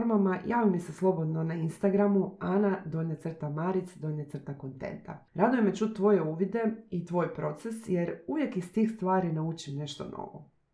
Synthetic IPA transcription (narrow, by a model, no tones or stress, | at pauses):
ɾmamajaːʋimiseslˠo̞bo̞d̪no̞nainst̪aɡɾamuanad̪o̞net̪sr̩t̪amaɾit̪sd̪o̞net̪r̩t̪ako̞nt̪ḛnt̪a̰ɾad̪ujemet͡ʃut̪̚t̪ːʋo̞je̞uʋid̪e̞it̪ʋo̞ːjpɾo̞t̪sesje̞ɾuʋje̞kist̪iːxst̪ʋaːɾinaut͡ʃimne̞ʃt̪o̞̰no̰ʋo̰